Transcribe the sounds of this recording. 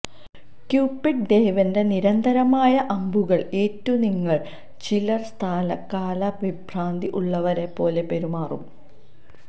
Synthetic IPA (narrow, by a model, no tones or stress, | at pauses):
kjuːpːiʈ̚d̪ejʋɐnde̞niɾɐnd̪ʱɐɾɐmaːjɐʔɐmbʱuɣɐɭe̞ːtːuniŋːɐɭ | t͡ɕilɐrst̪ʰaːlɐkːaːlɐʋibʱraːnd̪iʔuɭːɐʋɐɾe̞pːo̞ːle̞pe̞ɾumaːrum